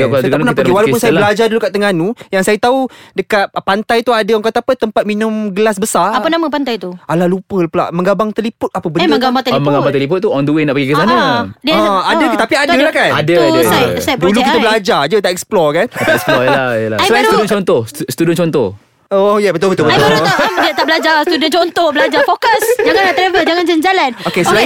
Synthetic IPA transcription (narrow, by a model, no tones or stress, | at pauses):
k̪əɡ̪annap̪əkwalapunsajabəlad͡ʒadulukaʔt̪ːəŋanujaŋsajat̪audəkat̪̚pant̪ajt̪uadəɔŋkat̪apət̪əmpat̪̚minʊ̃mɡəlas̬bəsaapənamə̃pant̪ajt̪ualalupəlpəla̰ʔməŋɡabaŋt̪əlipʊt̪̚apəbənəŋɡbat̪məŋɡaaŋt̪əlipʊt̪̚ːuɔndəwenaʔpaɡikəsanadiaət̪apiadəlahkanadəsajsadulukitt̪əbəlad͡ʒad͡ʒət̪aʔɛksplɔkanaspɔlajəlasəlat̪udənt͡ʃɔnt̪ɔhsst̪udənt͡ʃɔnt̪ɔh | oojɛbət̪obət̪ubəodiət̪aʔbəlad͡ʒast̪udənt͡ʃɔnt̪ɔhbəlad͡ʒafokəsd͡ʒaŋãnlat̪ɾɛvəd͡ʒaŋãnd͡ʒand͡ʒalanokesla